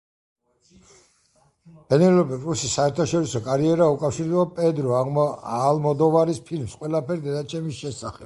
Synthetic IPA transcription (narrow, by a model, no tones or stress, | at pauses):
b̥ɛnɛlɔpɛkʼɾusisːaɛɾt̪ʰaʃɔɾisɔkʼaɾiɛɾaukʼafʃiɾd̪ɛapʼɛd̪ɾɔalmɔd̪ɔvaɾispʰilmsqʼwɛlapʰɛɾid̪ɛd̪at͡ʃʰɛmisʃɛsaχɛb̥